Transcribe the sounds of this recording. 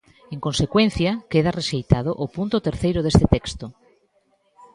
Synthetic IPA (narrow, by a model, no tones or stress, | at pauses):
eŋkonsekwẽn̟θjɐkeðareʃejt̪aðʊʔopunt̪ʊt̪eɾθejɾʊðest̪et̪ekst̪o